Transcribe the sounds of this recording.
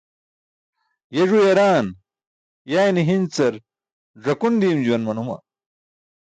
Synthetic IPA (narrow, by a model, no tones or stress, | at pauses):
jeʐujɐɾaːn | jaːjniɦint͡sɐɾ | ʐɐkund̪iːmd͡ʑuwɐnmɐnumɐ̰